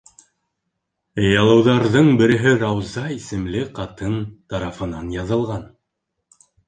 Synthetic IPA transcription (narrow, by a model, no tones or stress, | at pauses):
jɑlˠɤ̆wðɑɾðɤɴbɘ̆ɾɘ̆ɦɘɾɑwzɑisɘ̆mlɘqɑt̪ɤnt̪ɑɾɑfɤ̆nɑnjɑðɤ̆lˠʁɑn